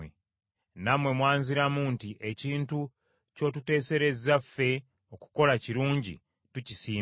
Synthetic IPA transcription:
e | namwe̞mwaːɲziɾamuntiʔe̞ciːntu | co̞tute̞ːse̞ɾe̞zafːe̞ | o̞ku̥ko̞laciɾuːɲɟḭ | tucisiː

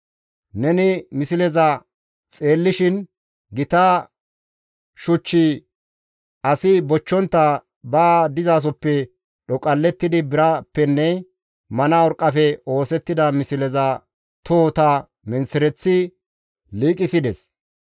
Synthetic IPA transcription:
nɛnɪmɪsɪlɛzɐ | t͡sʼe̞ːlːɪʃɪn | ɡɪt̪aː | ʃʊt͡ʃːɪ | ʔɐsɪbɔt͡ʃːɔnt̪ːɐ | baːd̪ɪzaːs̬ɔpːɛ | ɗɔkʼɐlːɛt̪ːɪd̪ɪbɪɾɐpːɛnːɛ | mɐnaɔɾkʼːɐfɛo̞ːsɛt̪ːɪd̪ɐmɪsɪlɛzɐ | t̪oːt̪ɐ | mɛnsɛɾɛt͡sːɪ | liːkʼɪsɪd̪ɛs

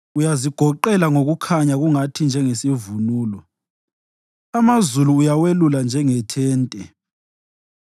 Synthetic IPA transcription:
ujaziɡ̥ʱɔǃɛlaŋoɣukʰaɲaɣuŋatʰind͡ʒʱɛŋesivunuːlɔ | amazuluːjaweluland͡ʒʱɛŋɛtʰɛːntʼɛ

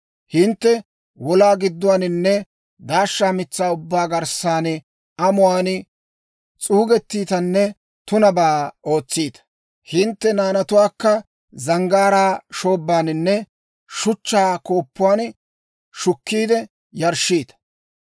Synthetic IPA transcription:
hɪnt̪ːɛ | wɔlaːɡɪd̪ːʊwaːnɪnːɛ | d̪aːʃːaːmɪt͡sːaːʊbːaːɡɐɾsaːn | ɐmʊwaːn | t͡sʼuːɡɛt̪ːiːt̪ɐnːɛ | t̪ʊnɐbaːo̞ːt͡sːiːt̪ɐ̥ | hɪnt̪ːɛnaːnɐt̪ʊwaːkːɐ | zɐŋɡaːɾaːʃo̞ːbːaːnɪnːɛ | ʃʊt͡ʃːaːko̞ːpːʊwaːn | ʃʊkːiːd̪ɛ | jɐɾʃiːt̪ɐ̥

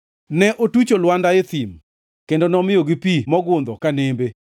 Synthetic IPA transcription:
nɛʔotut͡ʃolwandaet̪im | kendonɔmɪjoɡipimɔɡʊnd̪ɔkanembe

